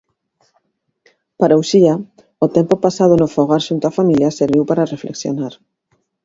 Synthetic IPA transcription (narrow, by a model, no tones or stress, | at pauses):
paɾawsia | ot̪empopasaðonofoɣaɾʃunt̪oafamiljaseɾβiwpaɾarefleksjo̰naɾ